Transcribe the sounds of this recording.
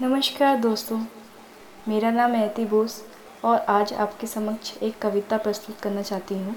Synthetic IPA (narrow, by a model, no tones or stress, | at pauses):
nɐməʃkaːɾd̪oːst̪õː | meːɾanaːmɛːt̪iboːs | ɔːɾaːd͡ʒa̰ːpkesɐməkʃʰeːkːɐʋɪt̪apɾɐst̪ʊt̪kɐɾnat͡ʃaːɦt̪iɦũː